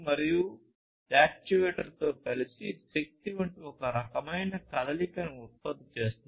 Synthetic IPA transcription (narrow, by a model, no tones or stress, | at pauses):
mɐɾiju | d͡ʒaːk̚t͡ʃuʋeːʈɐɾt̪oːkɐlisisek̚t̪iʋɐɳʈiɔkɐɾɐkɐmɐjnɐkɐlɐlikɐnuut̪̚pɐd̪ːit͡ʃe̞ːst̪un